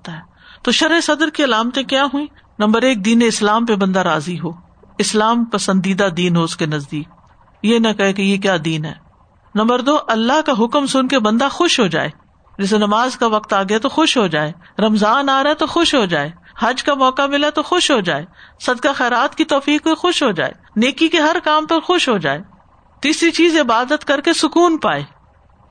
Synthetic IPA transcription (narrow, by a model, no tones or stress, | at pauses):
t̪aɦɛː | t̪oʃɐɾesɐd̪əɾkiɐlaːmt̪ẽkjaːɦuĩː | nɐ̃mbəɾeːk̚d̪iːneɪslaːmpebɐ̃nd̪aɾaːziɦoː | ɪslaːmpɐsə̃nd̪iːd̪ad̪iːnɦoʊskenɐzd̪iːk̚ | jenɐkɐɦekejek̬jaːd̪iːnɦɛ̰ː | nɐ̃mbəɾd̪oːʔɐlːaɦkaɦʊkmsʊnkebɐ̃nd̪axʊʃɦod͡ʒa̰ːeː | d͡ʒɛs̬enɐmaːzkaʋɐqt̪aːɡɐjat̪oxʊʃɦod͡ʒaːeː | ɾɐmzaːnaːɾaet̪oxʊʃɦod͡ʒaːeːhɐd͡ʒkamɔːkamɪlat̪oxʊʃɦod͡ʒaːeːsɐd̪kaxɛːɾaːt̪kit̪ɔːfiːkexʊʃɦod͡ʒa̰ːḛː | neːkikeɦɐɾkaːmpɐɾxʊʃɦod͡ʒaːeː | t̪iːsɾit͡ʃiːzɪbaːd̪ət̪kɐɾkesʊkuːnpaːeː